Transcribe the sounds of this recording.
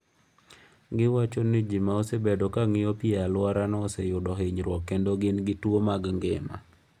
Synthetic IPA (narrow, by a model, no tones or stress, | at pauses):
ɡɪwat͡ʃonid͡ʒimaosebedɔkaŋɪjɔpialwaɾanɔɔsejʊdɔɦeɲɾwɔkːendoɡɪnɡɪtwomaɡŋɡɪma̰